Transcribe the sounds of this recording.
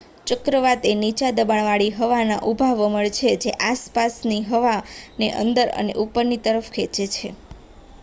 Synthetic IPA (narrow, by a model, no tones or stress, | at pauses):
t͡ʃəkɾəʋat̪enit͡ʃad̪əbaɳ̃ʋaɭiɦəʋana̰ʔubʱaʋəməɭt͡ʃʰed͡ʒeʔaspasniɦəʋaneʔə̰nd̪əɾə̰nḛʔupːəɾnit̪əɾəfkʰet͡ʃet͡ʃʰe